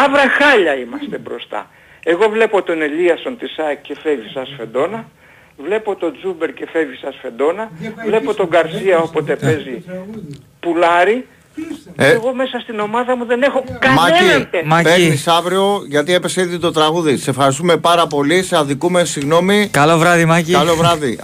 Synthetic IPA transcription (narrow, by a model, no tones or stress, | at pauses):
ɐvɾɐxɐʎɐimɐst̪e̞bɾo̞̰st̪ɐ̰ | eɣo̞vle̞po̞t̪o̞ne̞ʎiɐso̞nt̪isɐce̞fe̞visɐsfe̞nd̪o̞nɐ | vle̞po̞t̪o̞d͡zube̞ɾce̞fe̞visɐsfe̞d̪o̞nɐvle̞po̞t̪o̞ŋɡɐɾsiɐo̞po̞t̪e̞pe̞zi | pulɐɾi | eɣo̞me̞sɐst̪ino̞mɐðɐmuðe̞ne̞xokɐmɐiemɐpeɾnisɐvɾio̞ʝɐt̪ie̞pe̞seiðit̪o̞t̪ɾɐɣuðise̞fxɐɾis̬t̪ume̞pɐɾɐp̬o̞liseɐðikume̞siɣno̞mikɐlovɾɐðimɐcikɐlo̞vɾɐði